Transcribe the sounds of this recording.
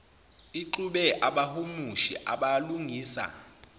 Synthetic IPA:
iǃuɓɛʔaɓahumuʃḭʔaɓaluŋiːsa̰

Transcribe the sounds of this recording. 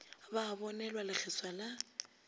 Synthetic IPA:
baːbɔnɛlwalɪk͡xʰɛswala

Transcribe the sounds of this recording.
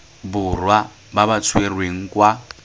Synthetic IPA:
bʊrwa | babat͡sʰwerweŋ̩kwa

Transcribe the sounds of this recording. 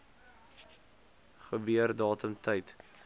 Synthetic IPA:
χəbyərdɑːtəmtʰəjt

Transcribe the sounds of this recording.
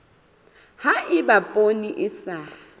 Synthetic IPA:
haɪbapʼoniʔɪsa

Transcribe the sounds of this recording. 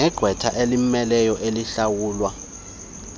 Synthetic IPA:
ɛɡ̥ʱwɛtʰaʔelimmɛlɛjɔʔeliɬawuːlwa

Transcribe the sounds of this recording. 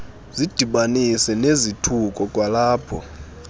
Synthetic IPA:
zid̥ʱiɓanisɛnezitʰukʼɔkʼwalaːpʰɔ̰

